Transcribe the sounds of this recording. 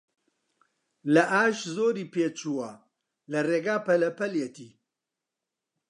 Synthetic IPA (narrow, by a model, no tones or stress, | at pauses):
lɐʔaːʃzoːɾiːpeːt͡ʃʰuwɐ | lɐreːɡaːpɐlɐpɐljet̪ʰiː